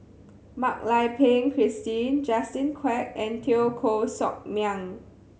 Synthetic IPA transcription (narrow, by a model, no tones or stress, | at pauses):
mak̚lajpʰẽŋkʰɹistĩnd͡ʒastĩnkʰwɛk̚ɛ̃ntʰiokʰosɔ̰k̚mjãŋ